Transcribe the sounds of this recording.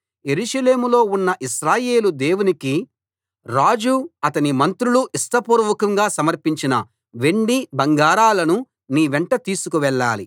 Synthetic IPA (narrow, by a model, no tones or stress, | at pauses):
je̞ɾuʃɐle̞ːmulo̞ːunːɐʔiʃɾaːje̞ːlud̪e̞ːwuniki | ɾaːd͡ʒuɐt̪ɐnimɐnt̪ɾuluʔisʈ̪ɐpuɾɐʋɐkɐŋɡaːsɐmɐɾpiɲt͡ʃinɐ | ʋe̞ɳɖibɐŋɡaːɾaːlɐnu | niːʋɛɳʈɐt̪iːsukuʋɛɭːa̰ːli